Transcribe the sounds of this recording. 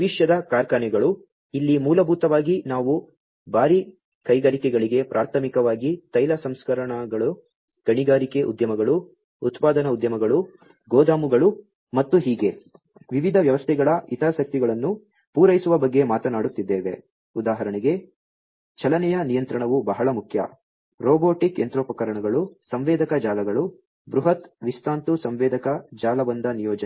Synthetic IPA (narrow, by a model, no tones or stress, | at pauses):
ʋiʂjɐd̪ɐkaːɾkaːnɛɡɐɭu | ilːimuːlɐbʱuːt̪ɐʋaːɡinaːʋu | bʱaːɾi | kɐjɡɐɾikɛɡɐɭiɡe̞pɾʔaːɾt̪ʰɐmikɐʋaːɡit̪ɐjlɐsɐmskɐɾɐɳaɡɐɭu | ɡ̥ɐɳiɡaːɾikeʔṵd̪jɐmɐɡɐɭu | ut̪paːd̪ɐnɐud̪jɐmɐɡɐɭu | ɡɔːd̪aːmuɡɐɭu | mɐt̪ːuɦiːɡe̞ | ʋiʋid̪ʱɐʋjɐʋɐst̪ʰɛɡɐɭɐit̪ɐɾɐsɐk̚t̪iɡɐɭɐnːu | puːɾɐjsuʋɐbɐɡːe̞maːt̪ɐnaːɽut̪ːid̪ːɛːʋe̞̰ | ud̪aːɦɐɾɐɳiɡe̞ | t͡ʃɐlɐnɛjɐnijɐnt̪ɾɐɳɐʋubɐɦɐɭɐmukʰjɐ̰ | ɾɔːboːʈikent̪ɾoːpɐkɐɾɐɳɐɡɐɭusɐmʋɛːd̪ɐkɐd͡ʒaːlɐɡɐɭu | bɾuɦɐt̪ʋist̪aːnt̪usɐmʋɛːd̪ɐkɐd͡ʒaːlɐbɐnd̪ɐnijɔːd͡ʒɐ